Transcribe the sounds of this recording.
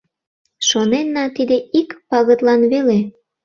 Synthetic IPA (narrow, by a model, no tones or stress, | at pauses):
ʃonenːɑt̪id̪eikpɑɣət̪lɑnβele